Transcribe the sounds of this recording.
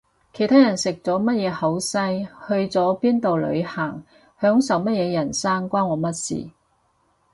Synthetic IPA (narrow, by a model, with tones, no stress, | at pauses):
kʰe˨˩t̪ʰaː˥jɐ˨˩nsɪ˨k̚t͡sɔː˨˥mɐ˥t̚jɛː˨˧hɐ˨˥wsɐ˥jhɵ˧ɥt͡sɔː˨˥piː˥nt̪o˨wlɵ̰˨˧ɥhaː˨˩ŋ | hœː˨˥ŋsɐ˨˧wmɐ˥t̚jɛː˨˧jɐ˨˩nsaː˥ŋkʷaː˥nwɔː˨˥mɐ˥t̚sḭː˨˩